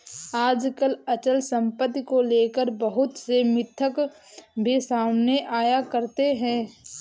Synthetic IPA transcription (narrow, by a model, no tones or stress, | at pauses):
aːd͡ʒkələt͡ʃəlsə̃mpət̪ːikoleːkəɾbəɦʊt̪semɪt̪ʰːək | bʱisaːmneʔaːjakəɾt̪eɦɛ̃ː